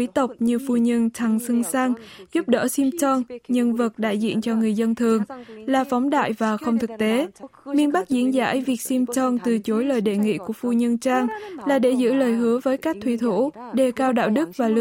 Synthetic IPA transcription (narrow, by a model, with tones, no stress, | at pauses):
i˨˦t̪ə˨˩wk͡p̚ɲɨ˧fu˧ɲə˧nt̪ʰa˧˩ŋsɨ˧ŋsa˧ŋzu˦˥p̚ɗə̰ː˧˥si˧mt͡ɕɔ˧nɲɨ˧ŋvɨ˨˩t̚ɗa̰ː˧˨jzḭ˧˨ənt͡ɕɔ˧ŋɨ˨˩əjzə˧nt̪ʰɨ˨˩əŋlaː˨˩fɔ˨˦wŋ͡mɗa̰ː˧˨jvaː˨˩xə˧wŋ͡mt̪ʰɨ˨˩k̚t̪e˨˦mi˧ənɓa˦˥k̚zi˨˦ənza̰ː˧˥jvi˨˩ək̚si˧mt͡ɕɔ˧nt̪ɨ˨˩t͡ɕo˨˦jləː˨˩jɗḛ˧˨ŋḭ˧˨ku˧˩əfu˧ɲə˧nt͡ɕaː˧ŋlaː˨˩ɗe˧˩zɨ̰˧˥ləː˨˩jɦɨ˨˦əvəː˨˦jkaː˦˥k̚t̪ʰwi˧˩t̪ʰṵ˧˥ɗe˨˩kaː˧wɗa̰ː˧˨wɗɨ˦˥k̚vaː˨˩lɨ˧˨